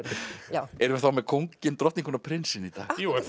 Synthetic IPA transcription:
aɛɾʏvɪθawmɛðkʰowŋcɪnt̪ɾɔht̪niŋkʰɔnapʰɾɪnsɪnit̪a̰ːɣu

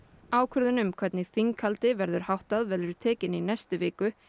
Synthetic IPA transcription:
aːwkʰœɾðʏnʏmkʰvɛt̪nɪθiŋkʰalt̪ɪvɛɾðʏɾ̥hawht̪aðvɛɾlðʏɾʏ̥t̪ʰɛːcɪninɛjst̪ʏvɪːkʏ

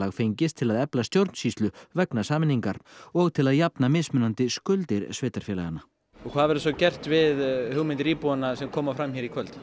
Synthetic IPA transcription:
aɣfejɲcɪst̪ʰɪlaðɛplast̪jowɾt̪n̥siːst̪lʏvɛknasaːmɪnːiŋkaɾ̥ɔɣt̪ʰɪlaðjapnamɪðsmʏnant̪ɪskʏlt̪ɪɾsveːt̪aɾ̥fjɛːla̰ɣanːa | ɔkʰvaːðvɛɾʏs̬ɔwcɛr̥t̪vɪðhʏɣmɪnt̪ɪɾiːpuanasɛmkʰɔːmafɾamçɛɾikʰvœlt̪

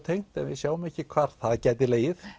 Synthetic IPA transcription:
t̪ʰejŋ̥t̪ɛnvɪsjaːwʏmɛhcɪkʰvaːɾ̥θaðcɛːt̪̬ɪleːjɪð

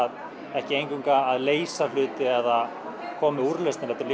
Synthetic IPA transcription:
ð | ɛhcɪejɲŋkiŋkaːðleːjsalʏːt̪ɪɛðað | kʰɔːmɪuɾlœst̪ɛɾɛht̪ːɪɾli

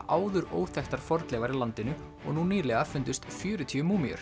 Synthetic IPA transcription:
aːwðʏɾoːwθɛxt̪aɾ̥fɔɾt̪lɛvaɾilant̪ɪnʏ | ɔ̰ɣnuniːlɛɣafʏnt̪ʏst̪fjʏːɾʏt̪ʰiːʏmuːmiœ̰ɾ̥

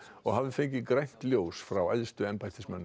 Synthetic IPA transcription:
ɔɣɦavðɪfejɲcɪkɾejn̥t̪ljoːwsfɾawa̰jðst̪ʏɛmpajt̪ɪsmɛnː

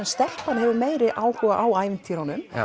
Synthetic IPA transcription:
ɛnst̪ɛl̥panhɛvʏɾmeːjɾɪʔaːwhɔvaʔaːwaːjvɪnt̪ʰiɾanʏm

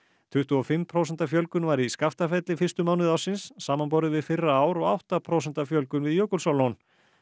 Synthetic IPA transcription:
t̪ʰʏht̪ʏɔfɪmpʰɾoːwsɛnt̪afjœlkʏnvaɾiskaft̪afɛt̪lɪfɪr̥st̪ʏmaːwnɪðawsɪnsːaːmanp̬owɾɪvɪðfɪrːaaːwɾɔɣawht̪apʰɾoːws̬ɛn̥t̪afjœlkʏnvɪðjœːkʏlsawlɔn

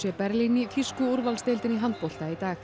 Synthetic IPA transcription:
jɛpɛɾlinifiskʏuɾvalst̪elt̪ɪniɦant̪̚pɔl̥t̪ait̪aːx

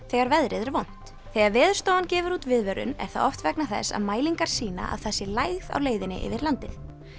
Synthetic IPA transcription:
θɛɣaɾvɛðɾɪðɛɾvown̥t̪ | θɛɣaɾvɛːðʏ̥st̪owancɛːvʏɾuːt̪vɪðvɛɾʏ̰nɛ̰ɾ̥θa̰ðɔft̪vɛknaθɛ̰sːa̰ðmaːjliŋkaɾ̥siːna̰a̰ðθɛsːɪlajɣða̰wleːjðɪnɪ̰ʔɪ̰vɪɾlant̪ɪθ

